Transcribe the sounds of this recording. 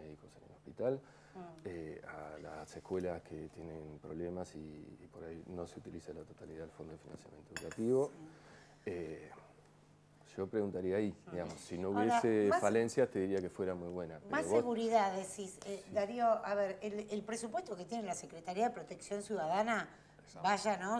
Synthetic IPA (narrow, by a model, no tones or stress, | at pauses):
meðikosenḛlo̞hpit̪al | eala̰sehkwe̞laskʰet̪jenenpɾo̞βlemasḭːpo̞ɾajno̞seut̪iliselat̪o̞t̪aliðaðelfo̞nd̪oefinã̰nsja̰mjent̪oeukat̪iβo̞ | e | ʒ̥o̞pɾeɣunt̪aɾiaid̪iɣamosːino̞uβjesefalensjat̪e̞ðiɾiakefwe̞ɾamujβwe̞napemasoːeɣuɾiðaðesised̪aɾioʔaβeɾelelpɾesupwest̪oket̪je̞nelasekɾet̪aɾiaðepɾot̪e̞ksjo̞nsjuðaðana | baʒano